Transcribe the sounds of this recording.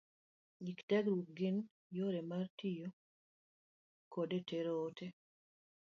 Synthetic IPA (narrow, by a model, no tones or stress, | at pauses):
iktɛkɾuɡɪn | joɾemartijo | kodetʰeɾoːtʰe